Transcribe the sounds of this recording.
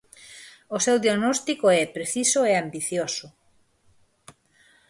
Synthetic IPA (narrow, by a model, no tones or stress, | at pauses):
osewðjaɣnɔst̪ikoɛpɾeθisʊeambiθjosʊ